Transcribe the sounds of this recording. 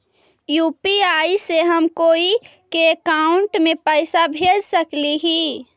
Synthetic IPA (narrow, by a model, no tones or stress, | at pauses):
jupiaiseɦəmkoːi | keːkaʊɳʈmepəɪsabʱed͡ʒsəkliɦi